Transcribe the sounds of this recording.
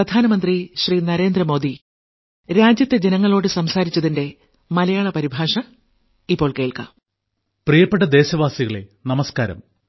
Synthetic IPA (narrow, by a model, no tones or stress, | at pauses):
ɐd̪ʱaːnɐmɐnd̪riɕriːnɐɾe̞ːnd̪rɐmo̞ːd̪i | ɾaːd͡ʑjɐt̪ːe̞d͡ʑenɐŋːɐɭo̞ːɽɨsɐmsaːɾit͡ɕːɐðinde̞ | mɐlɐjaːɭɐpɐɾibʱaːʂɐ | ipːo̞ːɭke̞ːɭka̰ | prijɐpːeʈːɐd̪e̞ːɕɐʋaːsiɣɐɭḛnɐmɐskaːɾɐ̰m